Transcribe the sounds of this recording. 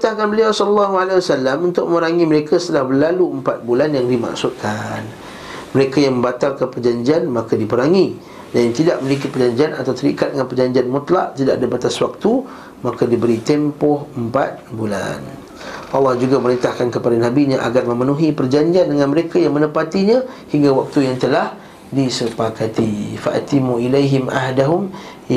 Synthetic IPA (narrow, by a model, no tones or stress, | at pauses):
it̪ahkanbəliawsɔllːaɦualawasalːamunt̪ʊk̚ʔməməɾaŋĩməɾekʰəsət̪əlahbəlaluəmpat̪̚bulanjaŋdima̰ksut̪̚kʰan | məɾekajaŋmə̃mbat̪alkanpərd͡ʒaɲd͡ʒianmakadipəɾaŋi | dajant̪idaʔməlik̬ipərd͡ʒaɲd͡ʒianat̪awt̪əɾḭkat̪dəŋanpərd͡ʒaɲd͡ʒianmut̪laʔt̪ida̰ʔadəbat̪aswak̚t̪u | makadibəɾit̪empɔhəmpat̪̚bula̰n | ʔɑlːɑhd͡ʒuɡaməɾint̪ahkankəpadanabiɲaʔa̰ɡarmə̃mənuɦipərd͡ʒaɲd͡ʒiandəŋanməɾekajaŋmə̃nəpat̪iɲã | hiŋɡawak̚t̪ujaŋt̪əlah | disəpakat̪ifa̰ʔa̰t̪imuilajɦɪmʔa̰ɦdaɦʊm